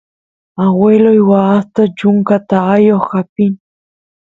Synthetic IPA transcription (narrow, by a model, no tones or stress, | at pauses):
awelojwaast̪at͡ʃʊŋkat̪aajoχapɪn